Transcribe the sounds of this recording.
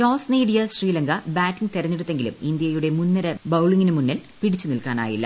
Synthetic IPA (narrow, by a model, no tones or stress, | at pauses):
ʈoːsniːɽijɐsriːlɐŋɡɐbaːʈːiŋt̪erɐɲːeɽut̪ːe̞ŋɡilṵmind̪jɐjuɽe̞munːɐɾɐbɐwɭiŋːinɨmunːɐlpiɽit͡ɕːunilkaːna̰ːjḭlːɐ̰